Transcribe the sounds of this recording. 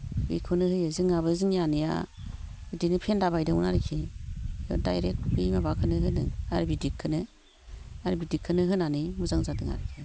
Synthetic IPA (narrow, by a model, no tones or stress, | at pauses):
bḭkʰunɯhɯjɯzɯŋaβɯzɯŋjanija̰ | idinipʰendaβajdɯunaɾikʰijɔ̰dajɾek̚tbimabakʰɯnɯhɯnɯ̰aɾibidikʰːɯnɯ | aɾibidikʰːɯnɯɦɯnanimuzaŋzadɯŋa̰ɾikʰi